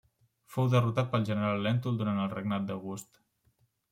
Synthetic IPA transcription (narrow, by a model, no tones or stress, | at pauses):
fowðərut̪at̪̚pəlˠʒənəɾalˠːɛnt̪ulˠd̪uɾant̪əlˠrəɡnat̪̚d̪əɣust̪